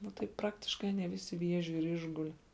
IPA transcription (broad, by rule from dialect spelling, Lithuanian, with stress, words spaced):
ˈnʊ tɐɪ ˈprɑːktʲɪʃkɐɪ ɐˈnʲiɛ ˈʋʲɪsʲɪ ˈʋʲiɛʒʲʊ ɪr ˈɪʒɡʊlʲɪ